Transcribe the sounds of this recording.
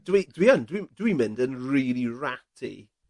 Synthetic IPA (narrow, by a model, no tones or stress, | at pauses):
d̥əwidəwiəndəwid̥əwimɪ̃ndə̃nɹiːlˠiɹatʰḭ